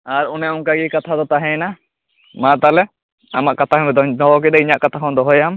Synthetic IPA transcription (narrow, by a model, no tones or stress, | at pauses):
aɾunɛuŋkaɡikat̪ʰad̪ɔt̪aɦɛ̃na | mãt̪alɛ | amaʔkat̪ʰaɦɛd̪ɔɦɔk̬ɛɗ̪ɛiɲaʔkat̪ʰaɦɔ̃d̪ɔɦɔjam